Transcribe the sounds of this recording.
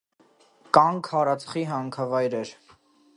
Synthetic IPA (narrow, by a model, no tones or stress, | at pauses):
kɑŋkʰhɑɾɑt͡sʰχiɦɑŋkʰɑvɑjɾɛɾ